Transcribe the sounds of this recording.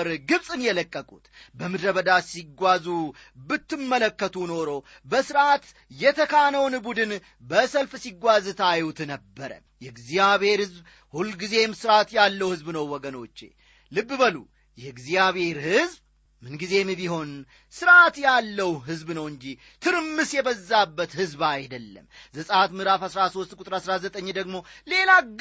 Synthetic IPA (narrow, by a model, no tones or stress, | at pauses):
ɾɡɨβsʼɨnjɛləkʼːəkʼut̪bəmɨd̪ɾəβəd̪asiɡʷazu | bɨt̪ːɨmːələkːət̪ʰuno̞ɾo̞ | bəsɨɾat̪ | jɛt̪ʰəkʰanəwnbud̪ɨn | bəsəlfsiɡʷazt̪ʰajut̪nəbːəɾə̰ | jɛɡzijaβhe̞ɾhɨzb | hulɡize̞msɨɾat̪jalːəwhɨzbnəwːɔɡəno̞t͡ʃːḛ | lɨbːɨbəlṵ | jɛɨɡzijaβe̞ɾhɨzb | mɨnɡize̞mɨbiɦo̞n | sɨɾat̪jalːəwɦɨzbnəwɨɲd͡ʒi | t̪ʰɨɾmːɨsjɛbəzːabːət̪hɨzbajd̪əlːə̰mzəsʼat̪mɨɾafhasɾaso̞st̪ʼkʼut̪ʼɾasɾazət̪ʼəɲːd̪əɡmo̞le̞la